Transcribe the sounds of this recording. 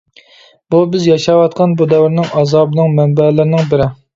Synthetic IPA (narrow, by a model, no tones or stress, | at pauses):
bubɪzjɑʃɑwɑt̪̚qʰɑnbud̪ɛwɪɾnɪŋɑzɑːbnɨŋmɛnbɛlɪɾɪnɪŋbɪɾɪ